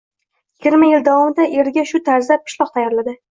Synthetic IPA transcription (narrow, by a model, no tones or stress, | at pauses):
jɪɡʲɪɾmajɪld̪avɒmɪd̪aʔe̞ɾɡʲaʃʊt̪ʰaɾzlap̚kʰʲɪ̥ʃlˠɒχt̪ʰajaɾlad̪ɪ